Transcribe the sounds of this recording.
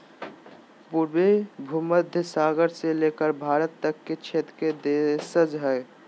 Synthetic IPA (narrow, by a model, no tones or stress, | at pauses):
puɾbebʱuməd̪ʱjəsaːɡəɾselekəɾbʱaːɾət̪ːəkːet͡ʃʰet̪ɾked̪esəd͡ʒɦɛe